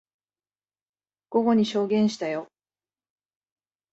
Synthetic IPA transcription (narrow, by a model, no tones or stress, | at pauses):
ɡ̥o̞ɡo̞ɲ̟iɕo̞ːɡẽ̞ɰ̃ɕi̥t̪ajo̞